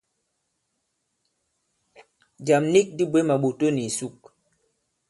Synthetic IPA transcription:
d͡ʒa˨mni˦k̚di˦bwe˦ma˨ɓo˨to˦ni˨su˦˨k̚

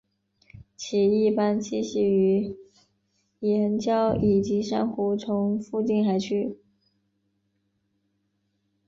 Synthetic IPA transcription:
t͡ɕʰi˨˧˩i˥˩pa˥nt͡ɕi˥˧ɕi˥˩y˧˥ | jɛ˩˨ə˧˥nt͡ɕjɑ˥ʊi˨˩t͡ɕi˧˥ʂa̰˥nxu˧˥t͡sʰʊ˧˥ŋfu˥˧t͡ɕi˥˩nxa˧˥ɪt͡ɕʰy˥

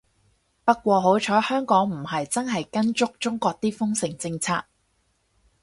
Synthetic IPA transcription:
pɐ˥kkʷɔː˧ɦo˨˥wt͡ʃʰɔː˨˥hœː˥ŋkɔː˨˥ŋm̩˨˩hɐ˨jt͡sɐ˥nɦɐ˨jkɐ˥nt͡sʊ˥k̚t͡sʊ˥ŋkʷɔː˧k̚t̪iː˥fʊ˥ŋsɪ˨˩ŋt͡sɪ˧ŋt͡sʰaː˧k̚

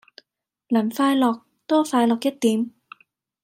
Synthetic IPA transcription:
laː˨˩nfaː˧jlɔː˨˩k̚ | t̪ɔː˥faː˧jlɔː˨k̚jɐ˥t̚t̪iː˨˦˥m

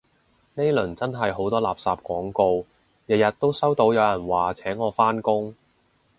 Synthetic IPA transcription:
ne˥jlɵ˨˩nt͡sɐ˥nɦɐ˨jɦo˨˥wt̪ɔː˥laː˨˩p̚saː˨p̚kʷwɔː˨˥ŋko˧w | jɐ˨t̚jɐ˨t̚t̪ːo˥wsɐ˥wt̪o˨˥wjɐ˨˧wjɐ˨˩nwaː˨t͡sʰɛː˨˥ŋɔː˨˧faː˥nkʊ˥ŋ

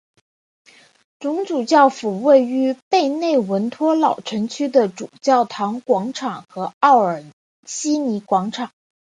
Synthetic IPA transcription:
ʈ͡ʂʊ˧˥ŋʈ͡ʂu˨˩t͡ɕjɑ˥˩ʊfu˨˩we˥˩ɪy˧˥pe˥˧ɪne˥˩ɪwə˧˥nt̪ʰwɔ˥lɑ˨˩ʊʈ͡ʂʰɤ˧˥ŋt͡ɕʰy˥d̪ə˨ʈ͡ʂu˨˩t͡ɕjɑ˥˩ʊt̪ʰɑ˧˥ŋkwɑ˧˥ŋʈ͡ʂʰɑ˨˩ŋxɤ˧˥ɑ˥˩ʊə˞˨˩ | ɕi˥ni˧˥kwɑ˧˥ŋʈ͡ʂʰɑ˨˩˦ŋ

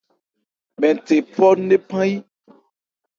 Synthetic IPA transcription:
mɛ̃˨t̪e˨pɔ˦ɖe˦pã˦ji˦

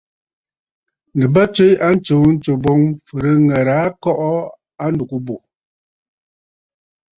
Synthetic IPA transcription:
nɨ˨bə˦t͡ʃwe˦ja˦n̩˦t͡ʃo˨˦n̩˦t͡ʃo˨bɔ˦ŋfɨ˨ɾɨ˦ŋɛ˨ɾa˨˦kɔ˦ʔɔ˦ | a˦ndu˨ku˦bo˨

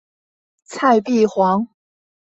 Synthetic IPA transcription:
t͡sʰa˥˧ɪpi˥˩xwɑ˧˥ŋ

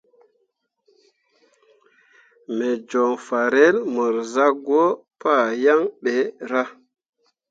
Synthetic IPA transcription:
me˨d͡ʒɔ˨ŋfa˨ɾe˦lmə˨ɾza˦ɡo˦pa˦˨ja˦ŋɓe˨˦ɾa˦

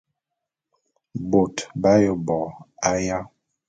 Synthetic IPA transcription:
bo˨tba˦jo˨bɔ˨a˦ja˦

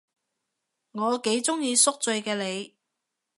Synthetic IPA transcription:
ŋɔː˨˧ke˨˥jt͡sʊ˥ŋjiː˧sʊ˥k̚t͡sɵ˧ɥkɛː˧le˨˧j

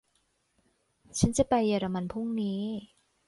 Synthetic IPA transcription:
t͡ɕʰa˦˥nt͡ɕa˧˩pa˧jːaː˧˩ɾa˧ma˧npʰu˥˩ŋniː˦˥

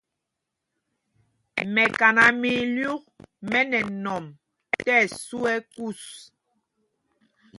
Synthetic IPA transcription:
mɛ˨ka˨na˨mi˨lju˦k̚mɛ˦nɛ˨nɔ˨m | tɛ˦˨su˦ɛ˦ku˦s

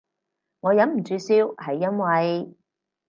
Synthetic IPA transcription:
ŋɔː˨˧jɐ˨˥nm̩˨˩t͡ʃyː˧siː˧whɐ˨jːɐ˥nwɐ˨j

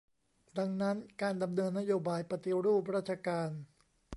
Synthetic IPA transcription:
da˧ŋna˦˥nkaː˧nda˧mnɤː˧nːa˥joː˧baː˧jpa˧t̪i˧ɾuː˥˩p̚ɾaː˥˩t̪̚t͡ɕʰa˧kaː˧n

